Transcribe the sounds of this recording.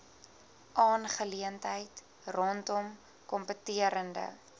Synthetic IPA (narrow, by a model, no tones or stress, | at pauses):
ʔɑːnχəliəntɦəjt | rɔntɔm | kɔmpətiəɾəndə̰